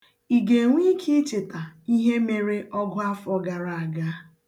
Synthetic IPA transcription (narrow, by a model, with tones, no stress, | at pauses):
i˨ɡe˨ŋʷi˦kʰi˦t͡ʃɪ˨ta˨i˦ɦe˦me˨ɾe˦ʔɔ˦ɡʊ˦a˦fɔ˦ɡa˨ɾa˨a˨ɡa˦